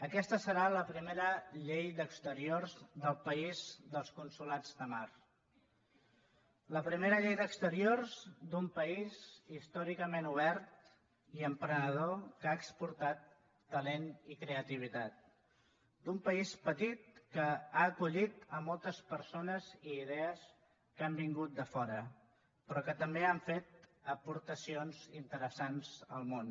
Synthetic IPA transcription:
əkɛst̪əsəɾaləpɾimeɾəʎejd̪əkst̪əɾiorzðəlˠpəizðəlˠskunsulad͡zðəmaɾ | ləpɾimeɾəʎejðəkst̪əɾiorzd̪umpəizist̪ɔɾikəmenuβ̞ɛɾt̪̚ | iəmpɾənəð̞okaəkspuɾt̪at̪ː | əlenikɾeət̪iβ̞it̪at̪̚ | d̪umpəispət̪it̪̚kəaəkuʎit̪əmɔlˠt̪əspəɾsonəziːðɛəs | kambiŋɡut̪̚d̪əfɔɾə | pɾɔkət̪əmbeaɱfet̪̚əpuɾt̪əsionzint̪əɾəsanzəlˠmon

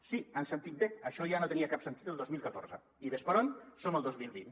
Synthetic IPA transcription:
siənsənt̪it̪̚beəʃɔjanot̪əniəkapsənt̪it̪əlˠd̪ozmilˠkət̪oɾzə | iβespəɾonsoməlˠd̪ozmilˠβin

